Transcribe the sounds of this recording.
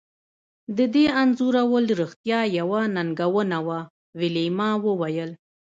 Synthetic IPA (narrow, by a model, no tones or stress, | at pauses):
d̪əd̪eanzuɾawəlɾixt̪jɑjawanaŋɡawənawa | wɪlemɑwəwajəl